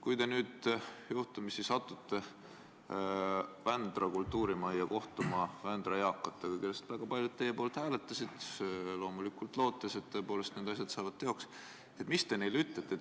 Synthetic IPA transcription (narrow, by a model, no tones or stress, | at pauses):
kujt̪e̞nyːd̪̥juht̪umisisɑt̪ːˑut̪ːe̞ | vænd̪̥rɑkult̪ːuːɾimɑjːɑko̞ht̪umɑvænd̪̥rɑjɑkːˑɑt̪ːɑkɑkelːest̪væɡ̥ɑpɑlʲjud̪̚t̪ːe̞jːe̞po̞ːlt̪hæːle̞t̪ːˑɑsid̪̥selo̞ːmulikːult̪ˑlo̞ːt̪ːˑese̞t̪ːoepo̞ːlest̪neːd̪ɑs̬ʲjɑt̪sɑːvɑd̪̥̚t̪e̞o̞ks | et̪ˑmist̪e̞ne̞jlyt̪ːˑlet̪ːˑe